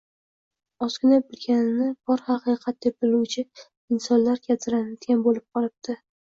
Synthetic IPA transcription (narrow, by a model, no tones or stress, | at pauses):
ɒskʰʲʊnabɪlɡʲanɪnɪbɒɾhɑqɨjqʰɑt̪̚d̪ep̚bɪluwt͡ʃʰɪ | ɪnsɒnlaɾkʲʰat̪ʰɪɾanad̪ɡʲanbolɪp̚qʰɒlɪp̚t̪ʰɪ